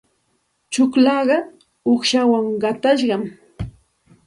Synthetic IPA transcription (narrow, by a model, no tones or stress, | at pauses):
t͡ʃʊklɑɢɑ | oχʃawaŋɢɑt̪aʃɢɑm